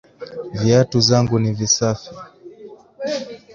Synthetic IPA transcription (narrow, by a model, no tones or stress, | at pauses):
viatuzaŋɡunivisafi